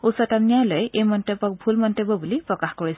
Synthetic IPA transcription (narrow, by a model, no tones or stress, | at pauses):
usɔtamnijalojejmɔntɔbɔk̚bʱulmɔntebɔbulipɹɔkaxkɔɹi